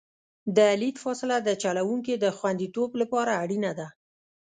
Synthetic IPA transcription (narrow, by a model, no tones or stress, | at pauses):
d̪əlid̪fɑsɪlad̪ət͡ʃalawuŋk̬id̪əxwand̪it̪oblapɑɾaːɽinad̪a